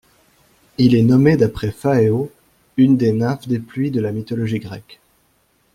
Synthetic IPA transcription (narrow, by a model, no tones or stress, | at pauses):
ilɛnɔmed̪apχɛfaeo | ynd̪enafd̪eplɥid̪əlamit̪ɔlɔʒiɡʁɛk